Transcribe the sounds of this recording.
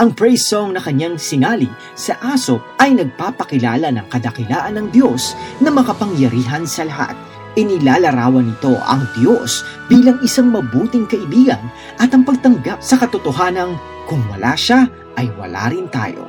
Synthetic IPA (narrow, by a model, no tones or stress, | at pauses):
ʔɐŋpɹɛjsoŋnɐkɐɲːaŋsɪnaːlɪ | sɐʔaːsop̚ʔɐjnɐɡ̚paːpɐkɪlaːlɐnɐŋkɐd̪ɐkɪlaːʔɐnːɐŋd̪jo̞snɐmɐkɐpɐŋjɐɾiːɦɐnsɐlɐɦa̰t̪̚ | ʔɪnɪlaːlɐɾaːwɐnɪt̪o̞ʔɐ̰ŋd̪jo̞sb̥iːlɐŋɪsaŋmɐbuːt̪ɪŋkɐʔɪbiːɡɐn | ʔɐt̪ɐŋpɐɡ̚t̪ɐŋɡap̚sɐkɐt̪ʊt̪oɦaːnɐn | kʊŋwɐ̰la̰ːʃa | ʔɐjwɐ̰la̰ːɾɪnt̪a̰ːjo̞̰